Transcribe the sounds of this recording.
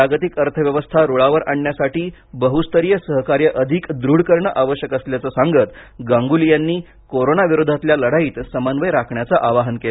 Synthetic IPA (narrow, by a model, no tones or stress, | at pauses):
aɡət̪ikəɾt̪ʰəʋjəʋəst̪ʰaɾuɭaʋəɾʔaɳɳjasaʈiːbəɦust̪əɾijəsəɦkaɾjəʔəd̪ʱikd̪ɾuɽkəɾɳəʔaʋəɕjəkəsljat͡səsaŋɡət̪ɡãŋɡulijanːiː | koɾonaʋiɾod̪ʱat̪ljaləɽ̤aiːt̪səmanʋəjɾakʰɳjat͡saʔaʋaɦənke